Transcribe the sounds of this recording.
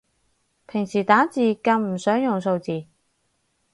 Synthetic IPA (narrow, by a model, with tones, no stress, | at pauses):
pʰɪ˨˩ŋsiː˨˩t̪aː˨˥t͡siː˨kɐ˧nm̩˨˩sœː˨˥ŋjʊ˨˩ŋso˧wt͡siː˨